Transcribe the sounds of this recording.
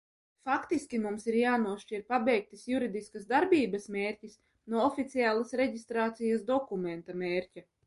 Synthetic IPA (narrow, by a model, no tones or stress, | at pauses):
fakt̪iskʲimumsiɾjaːnuɔʃt͡ʃiɾpabɛjk̚t̪isjuɾid̪iskasd̪aɾbʲiːbɐsmʲeːɾʲcʲis | nuɔɔfʲit̪siaːlˠasɾeɟist̪ɾaːt̪sijasd̪ɔkument̪amʲeːɾʲcʲa